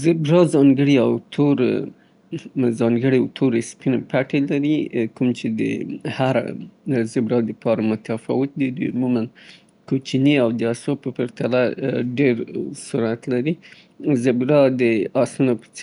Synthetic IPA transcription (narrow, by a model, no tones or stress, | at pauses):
zɪbɾɑzɑŋɡəɽiawt̪ʰoɾ | zɑŋɡəɽit̪ʰoɾespinepaʈelaɾikumt͡ʃed̪ə̰haɾa̰zɪbɾɑd̪əpɑɾamʊt̪afɑ̰wɪt̪̚d̪əd̪ujʊmuman | kot͡ʃineawd̪əasopəpəɾt̪alaɖeɾsuɾat̪laɾi | zɪbɾɑd̪əaslunopə̥t͡s